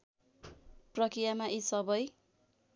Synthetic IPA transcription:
prʌkɾijamaʔisʌbʌj

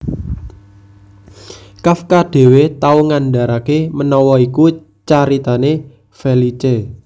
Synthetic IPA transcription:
kafkaɖ̥e̤wet̪auŋanda̤ɾakemənɔwɔiku | t͡ʃaɾit̪ane | felit͡ʃe

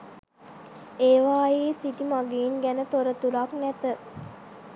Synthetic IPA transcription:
eːʋaːjeːsiʈimaɡeːnɡænət̪oɾət̪uɾaknæt̪ə

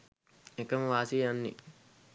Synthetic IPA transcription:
ekɐmʋaːsiːɐnːḭ

